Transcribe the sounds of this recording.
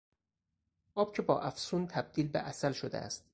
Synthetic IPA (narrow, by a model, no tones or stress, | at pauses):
ʔɒːb̥̚cʰe̞bɒːʔæfsuːnt̪ʰæb̚d̪iːlbḛʔæsælʃod̪ḛæ̰st̪